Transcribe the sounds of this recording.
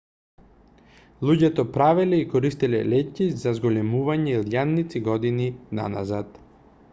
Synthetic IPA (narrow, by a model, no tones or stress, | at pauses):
lˠuɟɛt̪ɔpɾavɛlɛikɔɾist̪ilɛlɛcizazɡɔlɛmuvaɲɛilˠjanːit̪siɡɔd̪inina̰na̰zat̪